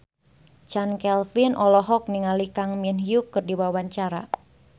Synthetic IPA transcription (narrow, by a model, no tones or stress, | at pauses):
t͡ʃankɛlfinʔɔlɔɦɔk̚niŋalikaŋminɦjukːɨrdibawwaɲt͡ʃaɾa̰